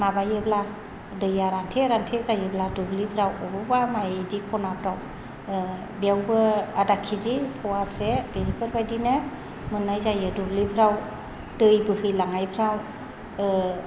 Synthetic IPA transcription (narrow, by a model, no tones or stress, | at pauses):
mabajɯbla | dɯjaɾantʰeɾantʰezajɯbladublipʰɾawɔbɔbamajdikʰɔnapʰɾaw | bjawbɯadakʰizipʰɔwasebeɾipʰɯɾbajdinɯ | mɯnːajzajɯdublipʰɾaw | dɯjbɯhɯjlaŋajpʰɾaw